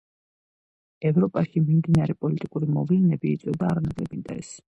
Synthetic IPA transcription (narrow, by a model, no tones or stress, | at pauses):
ɛvɾɔpʼaʃimimd̪inaɾɛpʼɔlit̪ʼikʼuɾimɔvlɛnɛbiːt̪sʼwɛvd̪aːɾnaɡʼlɛbind̪ʼa̰ɛs